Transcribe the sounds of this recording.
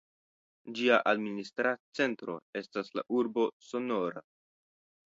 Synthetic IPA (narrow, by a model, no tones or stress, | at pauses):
d͡ʒiaʔadministɾat͡se̞ntɾo̞̰e̞stasla̰ʔuɾbo̞so̞no̞ɾa̰